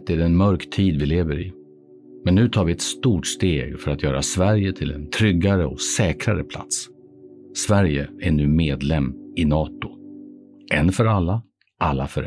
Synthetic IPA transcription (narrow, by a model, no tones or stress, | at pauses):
t̪ːɛɖɛɛnmœɾkt̪ʰiːd̪vɪleːvəɾɪ | mɛnːʉ̟ːt̪ʰɑːɾvɪɛt̪st̪uːʈst̪eːɡfœɾat̪jœːɾasvæɾjət̪ʰɪlɛ̰nt̪ʰɾʏɡːaɾəɔ̰sɛːkɾaɾə̰pʰla̰t̪s | svæɾjəæɳʉ̟ːmeːd̪lɛmːɪnɑːt̪ʊ | ʔɛnfœɾalːa | ʔalːafœɾ